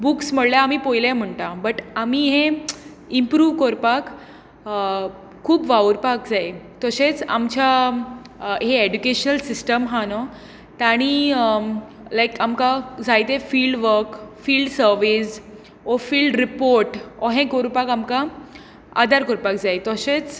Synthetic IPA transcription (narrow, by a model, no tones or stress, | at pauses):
buksm̤əɽljaamiːpojljam̤əɳʈabəʈamiːɦẽ | impɾuːʋkoɾpak | kʰːuːpʋauɾpak̚d͡zaet̪ɔɕẽt͡sa̰mt͡ɕa | ɦeeɖukeɕnəlsisʈəmɦãnɔ | t̪aɽ̃i | lajkamkãd͡zajt̪ẽfiːlɖʋəɾkfiːlɖsəɾʋis | ɔfiːlɖɾipoɾʈɔɦẽkoɾpakamka | a̰d̪ʱaɾkɔɾpakd͡zajt̪ɔɕet͡s